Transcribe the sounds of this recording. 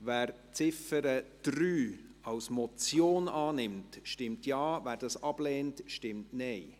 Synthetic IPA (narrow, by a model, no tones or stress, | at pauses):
væːɾ | t͡sɪfəɾəd̥ɾyːɑwsmɔt͡sjoːnɑːnɪmtʃtɪmtjɑːvæːɾdɑːsɑb̥lɛːntʃtɪmtnɛɪ